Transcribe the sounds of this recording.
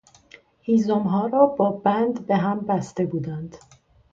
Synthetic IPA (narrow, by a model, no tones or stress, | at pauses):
hiːzomɦɒːɾɒːbɒːbænd̪be̞ɦæmbæst̪e̞buːd̪ænd̪̥